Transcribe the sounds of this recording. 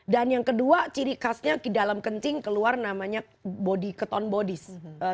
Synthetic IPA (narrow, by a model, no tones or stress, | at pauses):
danjaŋkəduat͡ʃiɾikasɲakidalamkəntɪŋkəluarnamaɲa | bodikət̪ɔnbodɪsə